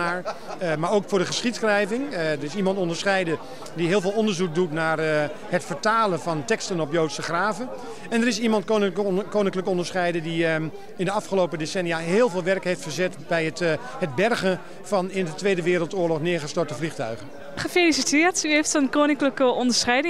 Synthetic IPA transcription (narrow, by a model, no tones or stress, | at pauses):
aːɹmaɹowkfʊːɹdəχəsχitsχrɛjvɪŋdəɹɪsimɑntɔndəɹsχɛjdə | diɦɪːlˠvɪːlˠɔndəɹzuk̚dutnaːr | hətfəɹtaːlənvɑntɛkstənɔpjowtsəχraːvə | ɛndəɾɪsimɑntkoːnɪŋkləkɔndəɹsχɛjdədi | ɪndəɑfχəlowpədesɛnijaɦɪːlˠvɪːlˠʋɛɹkɦejftfəɹzɛtbɛjət | həd̚bɛrɣən | vɑnɪndətʋejdəʋɪːɾəlˠtoːɹlɔχnɪːɹχəstɔɹtəvliχtœɥɣən | χəfelisitɪːrtyeftɔnkoːwnɪŋkləkəɔndəɹsχɛjdɪ